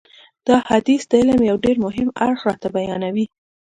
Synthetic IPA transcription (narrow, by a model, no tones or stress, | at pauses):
d̪̥ɑhad̪isd̪̥əɪlamjawɖeɾmʊɦɪmaɽxɾɑt̪abajɑnawi